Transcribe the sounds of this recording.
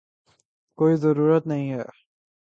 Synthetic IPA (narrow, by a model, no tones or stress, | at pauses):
koːizɐɾuːɾət̪nɐɦĩɦɛː